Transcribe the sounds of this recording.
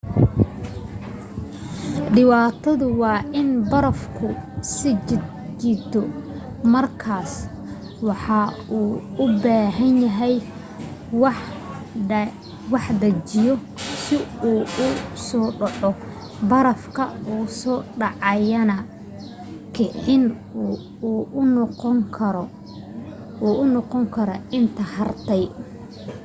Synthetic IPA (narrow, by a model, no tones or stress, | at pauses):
ɖɪwaːt̪ʰɐðʊwɑːʔɪnbɐɾɐfkʰʊsɪ | t͡ʃɪt̪ʰɔ | mɐrkʰaːs | wɑħɑuːʊbaːɦɐnjɐɦɛj | w | wɑħd̪ɐt͡ʃɪjɔ | sɪuːʊsɔːɖɔʕɔ | bɐɾɐfkʰɐuːsɔːɖɑʕɑjɐnɐ | kʰɪʕɪnː | ʊnŋkʰɐɾ | uːʔʊnɔqɔŋkʰɐɾɐɪnt̪ʰɐhɐrt̪ʰɛj